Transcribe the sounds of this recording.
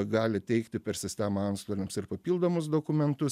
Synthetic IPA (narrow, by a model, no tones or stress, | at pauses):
ɡɑːlʲɪt̪ʲɛɪkt̪ʲɪpʲɛɾsʲɪsʲt̪ʲæmɐɐnt̪st̪oːlʲɪmsɪɾpɐpʲiːlˠd̪oːmʊsd̪oːkʊmʲɛnt̪ʊs